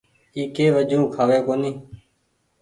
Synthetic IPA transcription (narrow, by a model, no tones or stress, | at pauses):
iːkeːʋəʄʱũːkʰaːʋeːkoːniː